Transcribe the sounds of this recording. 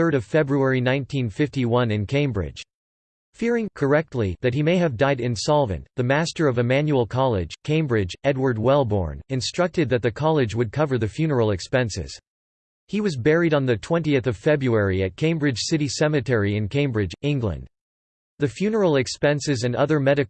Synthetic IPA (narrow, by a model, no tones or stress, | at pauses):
ɜ˞ɾʌv̥fɛbɹuɛɹinãɪ̃ntʰĩnfɪftiwʌ̃nɨ̃nkʰẽɪ̃mbɹɪ̰d̥ʒ̥ | fɪɹɪ̃ŋkʰə˞ɛk̚tʰˡliðɨt̚himeɪɨvdaɪɾɨ̃nsɑlˠvɨ̰̃nðɨmæstə˞ʌvɨmæ̃njul̩ˠkʰɑlˠɪ̰d̥ʒ̥kʰẽɪ̃mbɹɪd͡ʒɛd̚wə˞d̚wɛlˠbɔ̰ɹnɨ̃nstɹ̥ʌk̚tɨd̪̚ðɨt̪̚ðɨkʰɑlˠɨd͡ʒwɨd̚kʰʌvə˞ðɨfjʉnə˞l̩ˠɨkspɛ̃nsɪ̰z̥ | hiwʌzbɛɹiɾn̩ðɨtʰw̥ɛ̃ntiɨθʌv̥fɛbɹuɛɹiɨt̚kʰẽɪ̃mbɹɨd̥ʒ̥sɪɾisɛmɨtʰɛɹiɨ̃nkʰẽɪ̃mbɹɪd͡ʒɪ̃ŋɡlə̰̃nd̥ | ðɨfjʉnə˞l̩ˠɨkspɛ̃nsɨzɨ̃nʌðə˞mɛɾɨ